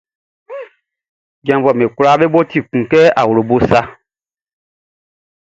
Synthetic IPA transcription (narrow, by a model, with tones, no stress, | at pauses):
ɡã˨mvɔ˨me˨ku˦la˦ɓe˦ɓo˦ti˦˨kũ˨kɛ˦a̰˨wo˨ɾo˨bo˦sa˦